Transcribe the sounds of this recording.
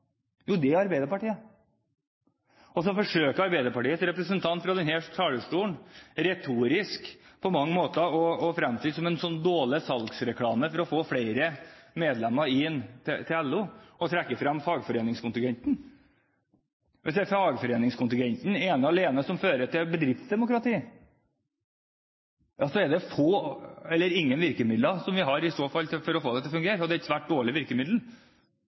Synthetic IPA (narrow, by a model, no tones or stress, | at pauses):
juːd̪ɛæɑɾbæɪd̪əɾpɑʈiːə | ɔsɔfɔʂøːkəɑɾbæɪd̪əɾpɑʈiːət̪sɾɛpɾəsənt̪ʰɑnt̪fɾɑd̪ɛnɦæʂʰɑːlʉʂʈuːənɾɛt̪ʰuːɾɪskpʰɔmɑŋːəmoːt̪əɔɔfɾɛmt̪ʰɪːsɔmɛnsɔnːd̪oːlɪsɑlksɾɛkʰlɑːməfɔɾɔfoːfɽeɪɾəmeːd̪lɛmːəɾɪnt̪ɪt̪ʰɪlɛlːuɔt̪ʰɾɛkːəfɾɑmfɑːɡfɔɾeːnɪŋskʊnt̪ɪŋɡɛnt̪n̩ | ʋʔɪsd̪ɛæɾfɑːɡfɔɾeːnɪŋskʊnt̪ɪŋɡɛnt̪n̩ɛːnəɑleːnəsɔmføːɾəʈɪlbəd̪ɾɪft̪sd̪ɛmʊkɾɑt̪iː | ʔɑlsɔɛd̪ɛfoːɛlːəɾɪŋːənʋɪɾkəmɪd̪lɑsɔmʋɪɦɑɾɪsoːfɑlːt̪ɪfɔɾɔfoːd̪ɛt̪ːəfʉŋɡeːɾəɔd̪ɛæt̪sʋæːʈ̚d̪oːɭɪʋɪɾkəmɪd̪l̩